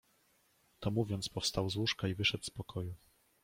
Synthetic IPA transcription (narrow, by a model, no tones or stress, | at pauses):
t̪ɔmuvʲjɔnt̪spɔfst̪awzwuʂkaivɘʂɛt̪spɔkʰɔju